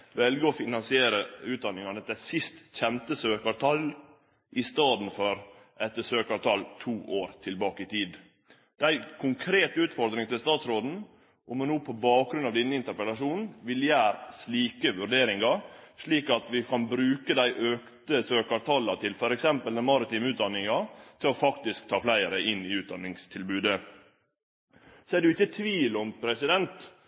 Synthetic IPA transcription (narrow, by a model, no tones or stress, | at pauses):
ʋɛlɡəɔfɪnɑnsɪeːɾəʉːd̪ɑnːɪŋɑnət̪æsɪst̪çɛnt̪əsøːkɑɾt̪ʰɑl | ʔɪst̪ɑːd̪n̩fɔɾ | ʔɛt̪ːəsøːkɑɾt̪ʰɑlt̪ʰuːʔoːɾt̪ʰɪlbɑːkəɪt̪ʰiːd̪ | d̪̥æɪkʰʊŋkʰɾeːt̪ʉːt̪fɔɾd̪ɾɪŋt̪ɪlst̪ɑːt̪sɾoːd̪n̩ | ʔɔmɛnoːpʰɔbɑːk̚ɡɾʉnɑʋd̪ɛnːəɪnt̪əɾpəlɑʂuːnn̩ʋɪljæːɾsliːkəʋʉɾɖ̪eːɾɪŋɑʂɭiːkɑt̪ʋɪkʰɑnbɾʉːkəd̪æɪʔøːkt̪əsøːkɑɾt̪ʰɑlːɑt̪ʰɪlfɔɾɛksɛmpəlnəmɑɾɪt̪iːmʉːt̪̚d̪ɑnːɪŋɑt̪ʰɪlɔfɑkt̪ɪsk̚t̪ʰɑːflæɪəɾəʔɪnːɪʉːt̪̚d̪ɑnːɪŋst̪ʰɪlbʉːd̪ə | sɔædʉɪçːət̪ʰʋiːlɔmpʰɾɛsɪd̪ɛnt̪